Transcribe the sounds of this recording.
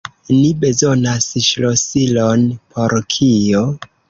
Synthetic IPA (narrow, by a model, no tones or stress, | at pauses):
nibe̞zo̞nasʃlosilo̞npʰo̞ɾkʰijo